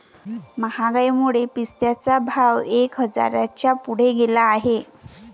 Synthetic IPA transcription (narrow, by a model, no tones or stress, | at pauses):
məhaɡajmuɭepist̪jat͡sabʱawekɦəd͡za̰ɾa̰t͡ɕjapuɽ̤eɡelaːɦe